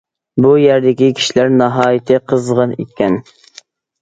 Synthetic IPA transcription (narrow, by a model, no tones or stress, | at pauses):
bujæɾd̪ɪkʲikʲʰi̥ʃilæɾnɑɦɑːjɪt̪ʰɨqʰəzʁɑnḭkʲʰːɛn